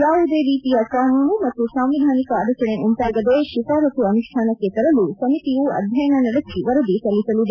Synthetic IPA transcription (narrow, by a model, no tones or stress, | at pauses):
ɾaːʋud̪eːɾiːt̪ijɐpɾaːɦuːɳumɐt̪ːusaːmʋid̪ʱaːnikɐaːɾut͡ʃɐɳeunt̪aːɡɐd̪eʃit̪aːɾɐt̪uɐnuʂʈʰaːnɐkːet̪ɐɾɐlusɐmit̪ijuɐ̰d̪ʱjɐjɐnɐnɐɽɐkːiʋɐɾɐd̪isɐlːisɐlud̪